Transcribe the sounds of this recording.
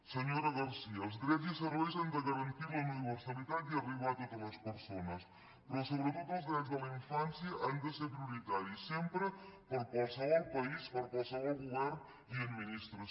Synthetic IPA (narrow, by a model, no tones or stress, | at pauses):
səɲoɾəɣaɾsiəːlˠzðɾɛzisəɾβɛjzand̪əɣəɾənt̪iɾləuniβəɾsalit̪at̪iəriβat̪ot̪ələspəɾsonəs | pɾɔsoβɾət̪ot̪əlˠzðɾɛzd̪ələiɱfansjəʔand̪əseɾpɾiuɾit̪aɾisɛmpɾəpəɾpəlsaβalˠpaispəɾpəsaβɔlˠɣuβɛɾn | iəd̪minist̪ɾə